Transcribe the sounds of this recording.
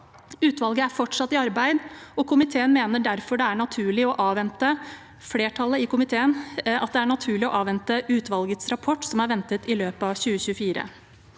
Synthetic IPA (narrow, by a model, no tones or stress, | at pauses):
ʉːt̪ʋɑlɡəæɾfɔʈʂɑt̪ːɪɑɾbæɪd̪ɔkʰʊmɪt̪ʰeːənmeːnəɖæɾfɔɖɛæɳɑt̪ʰʉːɭɪɔʔɑːʋɛnt̪ə | fleːʈʰɑlːəɪkʊmɪt̪ʰeːənɑt̪̚d̪ɛæɳɑt̪ʰʉːɭɪɔʔɑːʋɛnt̪əʉːt̪ʋɑlɡət̪sɾɑpʰɔʈːsɔmæɾʋɛnt̪ət̪ɪløːpɑʋɕʉːəɕʉfiːɾə̰